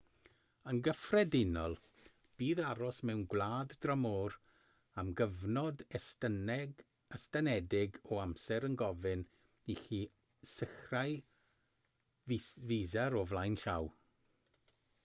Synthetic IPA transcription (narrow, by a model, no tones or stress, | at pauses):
ənɡəfrɛdɪnɔlˠ | b̥iːðaɾɔsmɛwnɡwlˠaːddramɔːɾ | amɡəvnɔdɛs | əstanɛdɪɡɔamsɛɾənɡɔvɪn | ixiː | sɪxraj | vizaɾɔvlˠajnɬaw